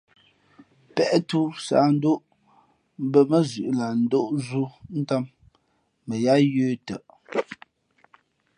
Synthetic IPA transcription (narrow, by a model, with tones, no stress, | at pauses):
pɛ˦ʔtu˦sa̰˨˦n̩˦do˦ʔ | m̩˦bə˨mə˦zʉ˨ʔla˨n̩˦do˦ʔzu˦n̩˦ta˦mː | ə˨ja˦jʉː˦tə̰˨ʔ